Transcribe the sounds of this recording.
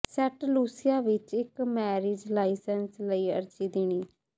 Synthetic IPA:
sɛʈluːsɪjaːʋɪt͡ʃɪkmɛːɾɪːd͡ʒlaːisɛnsləiːə̰ɾt͡ʃiːd̪ɪñiː

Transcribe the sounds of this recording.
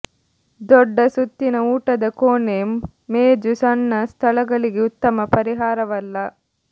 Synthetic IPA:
d̪ɔɖːɐsut̪ːinɐuːʈɐd̪ɐkoːne | meːd͡ʒusɐnːɐst̪ʰɐlɐɡɐɭiɡeut̪ːɐmɐpɐɾiɦaːɾɐʋɐlːɐ

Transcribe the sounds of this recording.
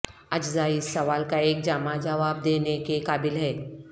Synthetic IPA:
ɐd͡ʒzaːiɪsːɐʋaːlkaeːk̚d͡ʒaːmad͡ʒɐʋaːb̚d̪eːnekekaːbɪlɦɛː

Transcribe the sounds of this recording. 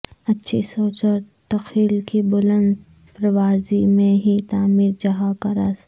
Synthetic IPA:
ɐtːʃʰisoːt͡ʃəɾ | t̪ɐxʰiːlkibʊlə̃nd̪ | pɾɐʋaːzimẽɦit̪aːmiːɾd͡ʒɐɦakɐɾas

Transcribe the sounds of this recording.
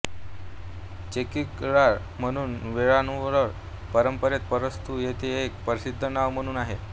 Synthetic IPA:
t͡ɕekikɽa | m̤əɽ̃uːnʋeɭanuʋɭəɾ | pəɾəmpəɾet̪̚pəɾəst̪ʰujet̪ʰeːk̚pəɾsid̪ʱːənaʋm̤əɽ̃uːnaɦe

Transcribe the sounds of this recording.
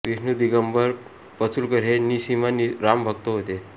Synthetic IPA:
ʋisnud̪iɡəmbəɾ | pət͡sʰulkəɾɦenisimaniɾambʱək̚t̪oɦot̪e

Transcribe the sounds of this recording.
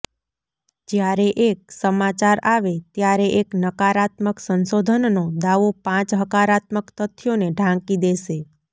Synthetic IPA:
d͡ʒjaɾeʔek̚səmat͡ʃaɾaʋet̪jaɾeʔeknəkaɾat̪məksənsod̪ʱənnod̪aʋopãt͡ʃɦəkaɾat̪məkt̪ət̪ʰːjoneɖʱãŋkid̪eʃe

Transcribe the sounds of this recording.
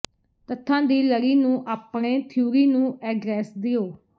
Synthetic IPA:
t̪ət̪ʰːãːd̪iːləɾiːnũːʔaːpɳẽːt̪ʰjuːɾiːnũːʔɛːɡɾɛːsd̪ɪoː

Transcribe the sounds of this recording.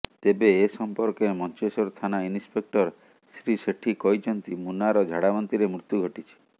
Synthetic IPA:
t̪ebeːsɔmpɔɾkeɾmɔnt͡ʃesɔɾt̪ʰanainispek̚ʈɔɾ | sɾiseʈʰikɔjt͡ʃʰɔnt̪imunaɾɔd͡ʒʱaɽamɔnt̪iɾemɾut̪juɡʱɔʈit͡ʃʰi̥

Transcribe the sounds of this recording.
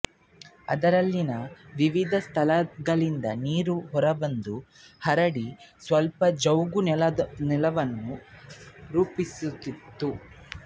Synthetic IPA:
ɐ̰d̪ɐɾɐlːinɐʋiʋid̪ʱɐst̪ʰɐlɐɡɐɭind̪ɐ̰niːɾuɦɔɾɐbɐnd̪u | hɐɾɐɽisʋɐlpɐd͡ʒɐwɡunɛlɐʋɐnːu | ɾuːpisut̪ːit̪ːu

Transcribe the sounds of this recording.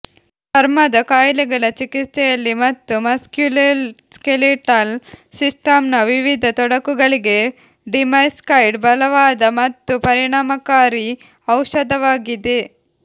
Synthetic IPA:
d̪ɐɾmɐd̪ɐkaːjlɛɡɐɭɐt͡ʃikit̪sɛjɐlːimɐt̪ːumɐskjulskeliʈɐlsisʈɐmnɐʋiʋid̪ʱɐt̪ɔɽɐkuɡɐɭiɡe | ɖimɐjskɐjɖbɐlɐʋaːd̪ɐmɐt̪ːupɐɾiɳaːmɐkaːɾi | ɐwʃɐd̪ʱɐʋaːɡid̪e

